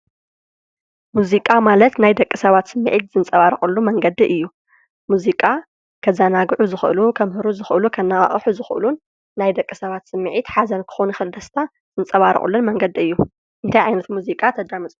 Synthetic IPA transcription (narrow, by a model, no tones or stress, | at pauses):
muzikʼamalɐt̪najd̪ɐkʼːisɐβat̪sɨmːḭʕit̪z̥ɨnt͡sʼɐβaɾɨχʼulːumɐŋɡɐd̪iʔɨjːu | muzikʼa | kʰɐzanaɡʕuzɨxʔɨ̰lukʰɐmhɨɾuzɨxɨlukʰɐnːɐχʼɐ̰χʼħuzɨxʔɨ̰lunː | ajd̪ɐkʼːisɐβat̪sɨmːɨʕit̪ħazɐnkʰɨ̥xonuxɨld̪ɐst̪ʰa | z̥ɨnt͡sʼɐβaɾɨ̰χʼṵlːunmɐŋɡɐd̪iɨjːu | ʔɨnt̪ʰajʕajnɐt̪muzikʼat̪ʰɐd̪ɾamɨt͡sʼu